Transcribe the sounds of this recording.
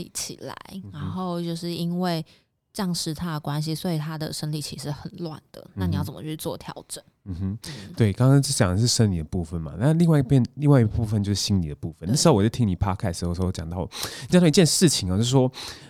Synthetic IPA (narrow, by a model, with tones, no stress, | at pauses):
lḭ˨˩t͡ɕʰḭ˨˩la̰˧˦ɪɻa˨˧˦nxo˥˧ʊt͡ɕjo˥˧ʊʂɻ̩˥˩i˦˥nwe˥˩ɪ | ʈ͡ʂjɑ˥˩ŋʂɻ̩˧˩t̪ʰa˦˥d̪ə˨kwa˦nɕ̬i˨swɔ˧˥i˨˩t̪ʰa˦d̪ə˨ʂə˥nli˨˩t͡ɕʰi˧˥ʂɻ̩˧˥˩xə˨˩nlwa̰˥˨˩nd̪̥ə̰˩˦na˥a˥˩ni˨˦jt͡sə˨˩mə˧˥t͡ɕʰy˧t͡swɔ˥˨˩t̪ʰjɑ̰˧˥ʊʈ͡ʂə˨˩˦nm̩˧m̩˥˦t̪we˥˩ɪkɑ˥ŋkɑ˥ŋt͡ɕo˥˩t͡ɕjɑ˨˩ŋd̪ə˩ʂ̬ɻ̩˥˩ʂə˧˦ŋli˨˩d̪ə˩pu˥˩fə˨˩nma̰˨˩na˥˧˨li˥˧ŋwa˥˧˥pjɛ˥˨nli˥˧ŋwa˥˧i˧˥pu˥˧˩fə˨nt͡ɕjo˥˧ʊʂɻ̩˥˩ɕi˦ŋni˨˩d̪ə˩pu˥˧˩fə˨n˥˩ʂɻ̩˧xo˥ʊwɔ˨˩t͡ɕo˥˩tʰi˥ni˨˩pʰa˥kʰa˥so˥˩˥t͡ɕjɑ˨ŋt̪ɑ˥˩ʊ˨t͡ɕt̪ɑ˥˨˧i˧t͡ɕɛ˥˧nʂɻ̩˥˨˩t͡ɕʰi˨ŋa˨˩t͡ɕjo˥˧ʊʂ̩˥˩ʂwɔ˦˥